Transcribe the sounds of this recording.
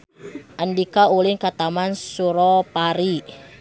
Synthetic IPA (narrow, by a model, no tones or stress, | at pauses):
ʔəndikaulɪnkat̪amansuɾɔpaɾi